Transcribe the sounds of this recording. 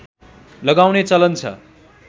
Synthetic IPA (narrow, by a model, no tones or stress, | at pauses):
lʌɡawnet͡sʌlʌnt͡sʰʌ̰